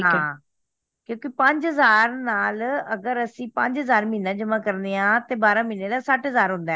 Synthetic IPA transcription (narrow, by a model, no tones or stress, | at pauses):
ɦãː | kjõːkipə̃ɲd͡ʒɦəzaːɾnaːləɡəɾəsĩːpə̃ɲd͡ʒɦəzaːɾmĩːnãːd͡ʒəmãːkəɾneːãːt̪eːbaːɾãːmiːneːlaːsaʈɦəzaːɾɦʊ̃nd̪aɛ